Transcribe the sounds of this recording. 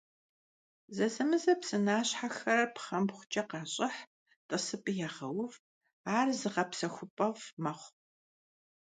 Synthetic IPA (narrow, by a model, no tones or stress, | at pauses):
zɐzɐmɨzɐpsɨnaːɕħaxɐɾɐpχɐmbχʷʊt͡ʃʼɐqɑːɕʼɪħ | tʼɨsɨpʼɨjaːʁɐwʊv | aːrzɨʁɐpsɐxʷʊpʼɐvmɐχʷ